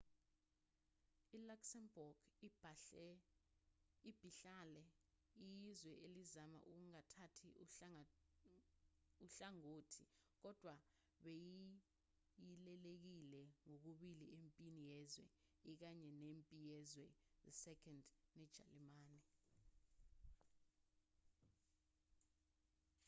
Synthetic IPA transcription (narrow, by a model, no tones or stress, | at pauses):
ilaksɛmbɔɡ̥ | ib̥ʱiɬalɛ | ijizwɛʔelizama̰ʔuk̬uŋatʰatʰi | uɬaŋoːtʰik̬ɔd̥ʱwa | ɓeji | jilɛlek̬ilɛŋok̬uɓiliempʼinijɛzwɛik̬aɲɛnempʼijɛzwɛðɛsɛkʰʼɔndnɛd̥ʒ̥ʱa̰limaːni